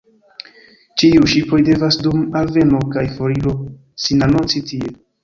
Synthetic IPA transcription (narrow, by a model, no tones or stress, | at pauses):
t͡ʃiuʃipo̞jde̞vasdumalve̞no̞kajfo̞ɾilo̞ | sinanont͡sitie